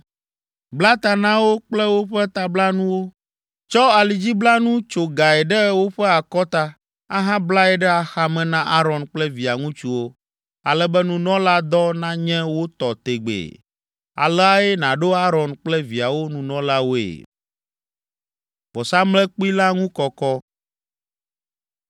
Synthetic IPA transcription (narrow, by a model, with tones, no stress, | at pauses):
bla˦t̪a˨nã˦wo˦k͡plɛ˦wo˦ɸɛ˦t̪a˨bla˦nũ˦wo˦ | t͡ʃɔ˦a˨li˨d͡ʑi˦bla˦nũ˦t͡ʃo˨ɡa˨ɛ˨ɖɛ˦wo˦ɸɛ˦a˨kɔ˦t̪a˦ | a̰˦ɦã˦bla˦ɛ˨ɖɛ˦a˨xa˦mɛ̃˨nã˦ʔa˦ɾɔ̃˨nk͡plɛ˦vi˨a˨ŋũ˦t͡ʃu˦wo˦ | a˨lɛ˦bɛ˦nũ˨nɔ̃˦la˦d̪ɔ˦nã˦ɲɛ̃˦wo˦t̪ɔ˨t̪e˨ɡ͡bḛ˨ | a̰˨lɛ˦a˦e˦nã˨ɖo˦a˦ɾɔ˨nk͡plɛ˦vi˨a˨wo˦nũ˨nɔ̃˦la˦wo˦ḛ˨ | b̥ɔ˨sa˦mlɛ˦k͡pi˦la˦ŋũ˦kɔ˨kɔ˦